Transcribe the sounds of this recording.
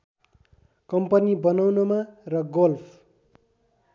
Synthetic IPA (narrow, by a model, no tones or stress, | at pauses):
kʌmpʌnibʌnawnomarʌɡolpʰ